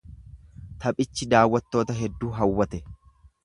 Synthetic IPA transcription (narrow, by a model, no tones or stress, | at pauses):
t̪ɐpʼɪt͡ʃːɪd̪aːwːɐt̪ːo̞ːt̪ɐɦɛd̪ːuːɦɐwːɐt̪ɛ